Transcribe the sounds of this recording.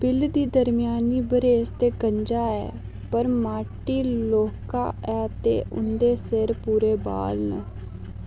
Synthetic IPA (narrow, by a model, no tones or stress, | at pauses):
bɪld̪iːd̪əɾmɪjaːniːbəɾeːst̪eːkəɲd͡ʒaːɛ̰ː | pəɾmaːʈiːloːka̰ːɛːt̪ḛːʔʊ̰nd̪eːseɾpuːɾeːba̰ːlnə̰